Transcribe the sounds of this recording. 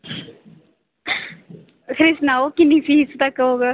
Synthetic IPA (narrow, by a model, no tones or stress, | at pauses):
kʰɾɪsnaːoːkɪnːĩːfiːst̪akːəoːɡa